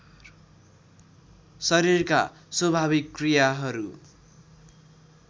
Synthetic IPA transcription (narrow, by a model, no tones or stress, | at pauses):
sʌɾirka̰ | swʌbʱaβikːrijaɦʌɾu